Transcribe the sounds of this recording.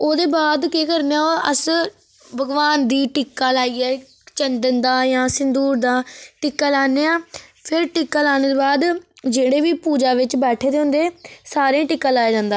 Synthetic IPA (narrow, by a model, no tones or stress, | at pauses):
oːd̪eːbaːd̪keːkəɾneːaːoə̰s | bəɡʋaːnd̪iːʈɪkːaːlaːiːɛː | t͡ʃənd̪ənd̪ãːjãːsɪnd̪uːɾd̪ãːʈɪkːaːlaːneːãːpʰɪɾʈɪkːaːlaːñeːd̪eːbaːd̪d͡ʒeːɽeːʋiːpuːd͡ʒaːʋɪt͡ʃbɛːʈʰeːd̪eːɦʊ̃nd̪eːsaːɾẽːʈɪkːãːlaːeːd͡ʒãːnd̪aː